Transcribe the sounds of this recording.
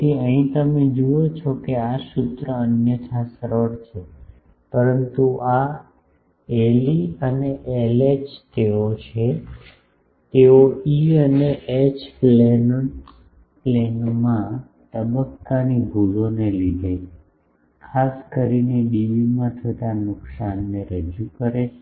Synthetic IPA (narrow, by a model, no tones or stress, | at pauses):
tiəɦĩt̪əmed͡ʒuot͡ʃʰɔkeaʃut̪ɾəənjət͡ʃʰasɾəɽt͡ʃʰe | pəɾənt̪uʔa | eliəneʔelet͡ʃt̪eot͡ʃʰe | t̪eoiəneʔet͡ʃplen | plenmã | t̪əbəkːanibʱulonelid̪ʱe | kʰaskəɾinebiʋimãt͡ʃʰət̪anʊksanːeɾəd͡ʒukəɾe